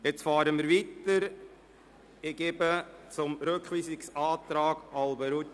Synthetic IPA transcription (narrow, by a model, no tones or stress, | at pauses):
jet͡sfɑːɾəmiːɾʋit̪əɾ | ɪɡebət͡sʊmɾøkχʋiːsɪksɑːt̪ɾɑːɡ̥ɑlbəɾut̪